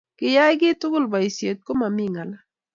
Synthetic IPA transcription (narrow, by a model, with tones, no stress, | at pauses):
kɪ˨ja˦jk̬ɪ˦tʊ˦ɡʊ˦lba˨i˨sje˨t̚ko˦ma˨mi˦ŋa˨la˦